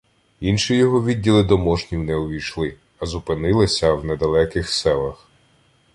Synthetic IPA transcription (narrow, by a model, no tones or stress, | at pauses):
inʃijɔɦɔʋʲidʲːilˠɪd̪ɔmɔʒnʲiwnɛʊʋʲijʃlˠɪ | ɐzʊpɪnɪlˠɪsʲɐwnɛd̪ɐlˠɛkɪxsɛlˠɐx